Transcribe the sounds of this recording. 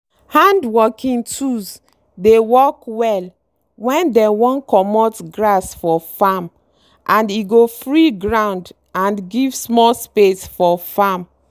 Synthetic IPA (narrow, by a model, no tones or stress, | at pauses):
hãndwɔkĩŋtʰus | dewɔkwɛl | wɛ̃ndɛwɔ̃nkɔmɔtɡɹasfɔfam | ʔãndiɡofɹiɡɹãʊ̃nd | ãnɡivsmɔlspesfɔfam